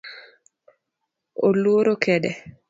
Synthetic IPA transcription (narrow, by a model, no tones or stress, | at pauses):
oluoɾokɛdɛ